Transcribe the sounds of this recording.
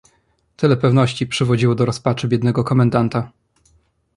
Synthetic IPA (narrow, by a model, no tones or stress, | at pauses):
t̪ɘlɛpɛvnɔɕt͡ɕipʂɘvɔd͡ʑiwɔd̪ɔɾɔspat͡ʂɘbʲjɛd̪nɛɡɔkɔmɛnd̪ant̪a